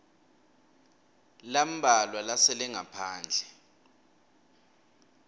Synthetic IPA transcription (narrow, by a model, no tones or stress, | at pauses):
lam̩ɓʱalwalasɛlɛŋapʰaːnd͡ɮʱɛ